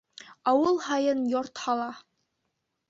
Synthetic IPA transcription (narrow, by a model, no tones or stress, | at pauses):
ɑwɤlˠhɑjɤnjoɾt̪hɑlˠɑ